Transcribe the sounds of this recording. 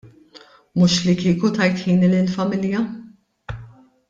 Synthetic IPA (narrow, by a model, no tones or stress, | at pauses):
mʊʃlikiːkut̪ɐjt̪ħiːnilɪlfɐmɪljɐ